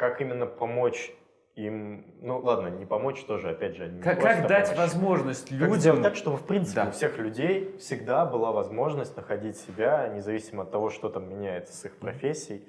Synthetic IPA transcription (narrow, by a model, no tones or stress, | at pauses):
kakimʲɪnːəpɐmo̞t͡ɕ | imnulˠad̪nənʲɪpɐmo̞t͡ɕt̪o̞ʐɨɐpʲædʲʐɨɐnʲɪaak̪d̪atʲvɐzmo̞ʐnəsʲtʲlʲudʲəmt̪akʂt̪obɨfpɾʲint̪sɨɪfsʲe̞xlʲʉdʲejfsʲɪɡd̪abɨlˠavɐzmo̞ʐnəsʲtʲnəxɐdʲitʲsʲɪbʲanʲɪzɐvʲisʲɪməɐt̪ːɐvo̞ʂt̪o̞t̪amːʲɪnʲæjɪt̪sə̥sixpɾɐfʲesʲːɪɪj